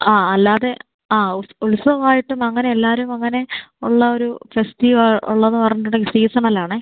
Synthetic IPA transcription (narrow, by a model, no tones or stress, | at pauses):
aːɐlːaːðe̞ | aːulsɐʋaːjiʈːumɐŋːɐne̞elːaːɾumɐŋːɐne̞uɭːɐo̞ɾufestiʋɐɭṵɭːɐnːɨpɐrɐɲːiʈːuɳɨisiːsɐnɐlːaːɳɨ